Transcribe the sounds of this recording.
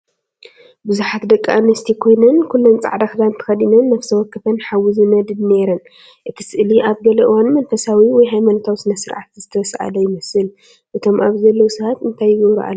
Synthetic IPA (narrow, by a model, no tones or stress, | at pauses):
bɨzuħat̪d̪ɐkʼːiʔanːɐst̪ʰikʰo̞jnɐnkʰulːont͡sʼa̰ʕd̪axɨd̪ant̪ʰɨ̥xɐd̪inɐnːɐfsʰɐwɔkːɨfɐnħawizɨnɐd̪ɨdne̞ɾɐn | ʔɨt̪ʰi̥sɨʔliʔaβɡɐlɐʔɨwanmɐnfɐsawiwɔjɦajmanot̪ʰawsɨnɐsɨɾʕa̰t̪zɨt̪ʰɐsʔa̰lɐjɪmɐsɨl | ʔɨt̪ʰo̞mʔaβzɐlːɐwusɐβat̪ɨnt̪ʰajːɪɡɐβɾṵʔa̰lː